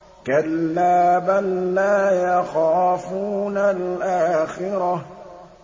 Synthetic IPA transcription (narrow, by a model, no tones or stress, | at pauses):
kalːaːbanlaːjaxaːfuːnalʔaːxɪɾa